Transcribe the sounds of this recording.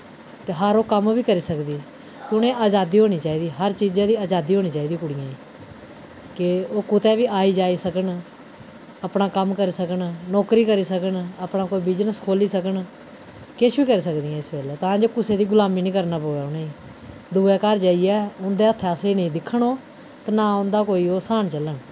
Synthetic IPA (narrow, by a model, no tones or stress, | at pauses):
t̪eːɦəɾoːkəmʋiːkəɾiːsəkd̪iː | kɪʊnẽːʔaːd͡ʒaːd̪iːɦoːñiːt͡ʃaːiːd̪iːɦəɾt͡ʃiːd͡ʒãːd̪iːaːd͡ʒaːd̪iːɦoːniːt͡ʃaːiːd̪iːkʊɽijãː | kɪoːkʊt̪ɛːʋiːaːiːd͡ʒaːiːsəkən | əpnaːkəmkəɾiːsəkənnɔːkɾiːkəɾiːsəkənəpnãːkoːiːbɪd͡ʒnəskʰoːliːsəkən | kɪʃʋiːkəɾiːsəkd̪ĩːãːɪsbeːlːt̪ãːd͡ʒoːkʊseːd̪iːɡʊlaːmiːnĩːkəɾnaːpoːɛːʊnẽː | d̪uːɛːkaɾd͡ʒaːiɛːʊnd̪eːət̪ʰːeaseːnəĩːd̪ɪkʰːəɳoː | t̪eːnãːʊ̃nd̪aːkoːiːoːsaːnt͡ʃələn